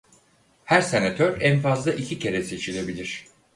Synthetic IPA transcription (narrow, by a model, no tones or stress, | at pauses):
hæɾse̞nat̪ʰøɾænfazlˠaʔicʰicʰe̞ɾɛse̞t͡ʃʰilʲe̞bilʲiɾ̝̥